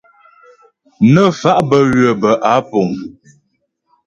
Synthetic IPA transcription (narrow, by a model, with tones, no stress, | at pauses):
nə˦fa˦ʔbə˦ɥə˨bə˨ʔa˨˦po˨ŋ